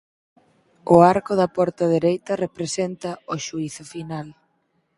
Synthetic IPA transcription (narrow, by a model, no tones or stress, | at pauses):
ʊaɾkʊðɐpɔɾt̪ɐðeɾejt̪ɐrepɾesent̪ɐoʃuiθʊfinal